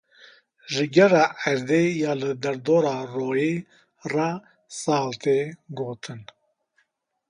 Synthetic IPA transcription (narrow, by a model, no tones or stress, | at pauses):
ʒɨɡɛrɑːɛɾd̪ejɑːlɨd̪ɛɾd̪oːɾɑːroːjeː | rɑ | sɑːlt̪ʰeːɡoːt̪ʰɨn